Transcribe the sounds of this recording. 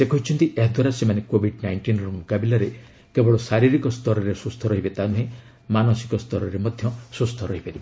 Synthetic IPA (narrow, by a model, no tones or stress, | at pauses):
sekʰɔɦit͡ʃʰɔnt̪iʔeɦd̪ʱɔɾasemanekobʱiɖnajɳʈinɾɔmukabilaɾe | kebɔɭɔsaɾiɾikɔst̪ɔɾɔɾesust̪ʰɔɾɔɦibet̪anuɦẽ | manɔsi̥kɔst̪ʰɔɾɔɾemɔd̪ʱjɔsust̪ʰɔɾɔɦipaɾibe